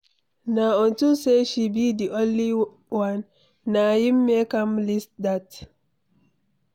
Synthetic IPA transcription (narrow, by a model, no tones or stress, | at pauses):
naɔ̃ntuseʃibidiʔõnli | wãnː | ahimːekãmlist̚dat